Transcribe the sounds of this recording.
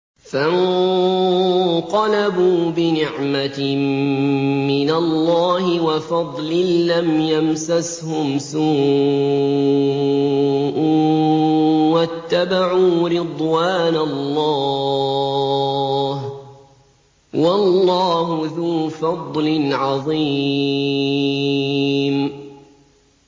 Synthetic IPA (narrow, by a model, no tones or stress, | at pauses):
fan | q̪ɑlabuːbɪnɪʕmat̪ɪ | ɪnalːɑːɦɪwafɑd̪ˤlɪnlamjamsashʊmsuː | ʔ | wat̪ːabaʕuːɾɪd̪ˤwaːnalːɑː | h | wɑlːɑːɦʊðuːfɑd̪ˤlɪnʕɑðˤiː | m